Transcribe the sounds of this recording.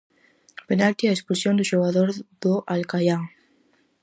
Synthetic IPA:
penalt̪iaespulsjond̪ʊʃoɣaðoɾðʊʔalkajaŋ

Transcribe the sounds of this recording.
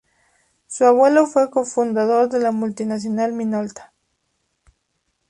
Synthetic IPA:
suaβwe̞lofwe̞ko̞fund̪aðo̞ɾðe̞lamult̪inas̬jonalminolt̪ḁ

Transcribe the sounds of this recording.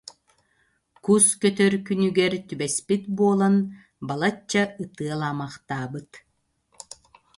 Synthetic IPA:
kuskœt̪œɾkynyɡɛɾt̪ybɛspit̪buɔlˠan | balˠat͡ɕːɐɯt̪ɯɐlˠaːmaχt̪aːbɯt̪

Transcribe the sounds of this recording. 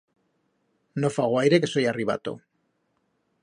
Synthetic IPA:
nofaɣoajɾekeso̞jariβa̰t̪o̰

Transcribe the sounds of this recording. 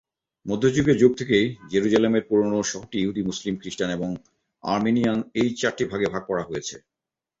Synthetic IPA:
mod̪ʱːod͡ʑuɡeɾd͡ʑuɡ̚t̪ʰekejd͡ʑeɾud͡ʑalemeɾpuɾonoʃɔɦoʈijuɦud̪imuslimkɾiʃʈaneboŋ | a̰ɾminijanejt͡ɕaɾʈibʱaɡebʱaɡ̚pɔɽaɦojet͡ɕʰe

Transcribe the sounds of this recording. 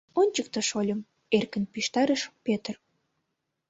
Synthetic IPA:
onʲt͡ɕəkt̪əʃolʲə̆m | erkənpiʃt̪ɑɾəʃpet̪ər

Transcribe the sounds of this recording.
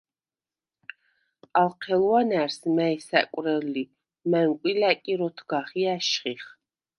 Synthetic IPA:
alˠqʰɛlwanæɾsmɛisa̰kʼɾɛlːi | mɛŋkʷʼwilakʼiɾɔt̪ʰɡaχiaʃχiχ

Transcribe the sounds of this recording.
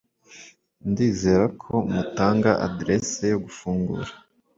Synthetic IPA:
ndiːze̞ɾakʰo̞mutaːŋɡaʔa̰dɾe̞sejo̞ɡufuːŋɡṵɾḁ

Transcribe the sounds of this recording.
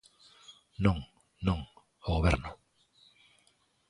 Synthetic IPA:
nõŋ | nõŋ | oɣoβeɾnʊ

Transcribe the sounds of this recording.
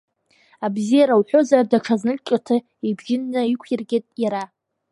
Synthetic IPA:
abzijaɾawħʷozardaʈ͡ʂʰaznɨt͡ʃʲʼatʰɨ | ebʒɪnːaikʷʰjarɡʲetʼjaɾa

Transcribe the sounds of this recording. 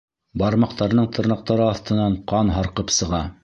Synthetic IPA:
bɑɾmɑqt̪ɑɾnɤɴt̪ʰɤ̆ɾnɑq̚t̪ɑɾɤɑθt̪ɤ̆nɑɴqɑnɦɑɾqɤpsɤ̆ʁɑ

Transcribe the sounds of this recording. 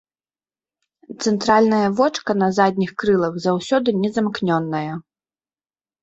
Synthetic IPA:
t̪sɛnt̪ɾalʲnɐjɐvɔt͡ʂkɐnɐzad̪ʲnʲixkɾɨlˠɐwzawsʲɔd̪ɨnʲɛzɐmknʲɔnːɐjɐ

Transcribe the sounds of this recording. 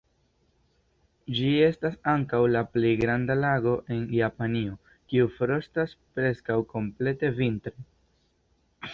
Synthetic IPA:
d͡ʒie̞stasaŋkawlaple̞jɡɾandalaɡo̞ʔe̞njapanio̞ | kiufɾo̞staspɾe̞skawko̞mple̞te̞vintɾe

